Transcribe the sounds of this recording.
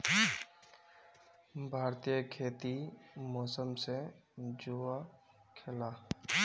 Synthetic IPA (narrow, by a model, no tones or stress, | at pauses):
bʱaːɾt̪ijəkʰeːt̪imɔːsəmsed͡ʒoːa | kʰɪlaː